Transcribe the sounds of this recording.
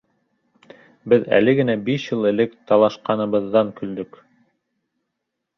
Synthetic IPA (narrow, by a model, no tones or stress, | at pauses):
bɘðæ̰lɘɡɘ̆næbiʃjɤlˠɘ̆lɘkt̪ɑlˠɑʃqɑnɤ̆βɤ̆ðːɑŋkɵ̆ld̪ɵk